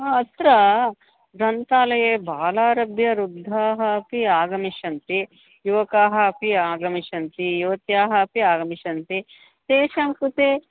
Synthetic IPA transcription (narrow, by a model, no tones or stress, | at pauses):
ɦaːɐt̪ɾɐ | ɾɐnt̪aːlɐjeːbʱaːlaːɾɐbʱjɐɾud̪ʱːaːɦɐ̆piaːɡɐmiʃɐnt̪i | juʋɐkaːɦɐpiaːɡɐmiʃɐnt̪ijuʋɐt̪jaːɦɐ̆piaːɡɐmiʃɐnt̪i | t̪eːʃɐmkut̪eː